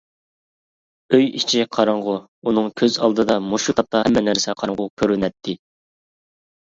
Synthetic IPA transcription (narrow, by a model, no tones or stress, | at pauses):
øjit͡ʃʰiqʰɑɾɑɴʁʊ | unɨŋkʲʰøzɑ̰lˠd̪ɨd̪ɑmoʃut̪ʰɑp̚t̪ʰɑhɛmːɛnæɾsɛqʰɑɾɑŋʁʊkʲʰøɾynɛt̪ʰːɪ